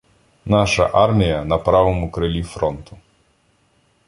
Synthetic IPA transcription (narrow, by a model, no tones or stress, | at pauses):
nɑʃɐ̰ʔɑrmʲijɐnɐpɾɑʋɔmʊkɾɪlʲifɾɔnt̪ʊ